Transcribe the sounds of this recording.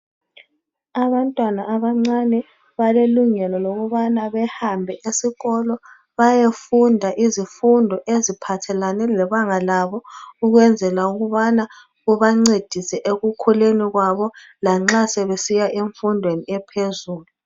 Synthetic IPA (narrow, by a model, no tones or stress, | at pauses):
aβantʼwanaʔːβaŋ͡ǀanɛ | βaleluŋɛlɔloɣuβanaβɛhambʱɛʔesiɣɔlɔ | βajefundʱaʔizifundʱɔʔezipʰatʰɛlanɛlɛβaŋalaβɔuɣwɛnd͡zʱɛlauɣuβana | ɣuβaŋ͡ǀed̥ʱisɛʔeɣukʰuleniɣwaβɔ | laŋ͡ǁasɛβesijaʔeɱfundʱweniɛpʰezuːlu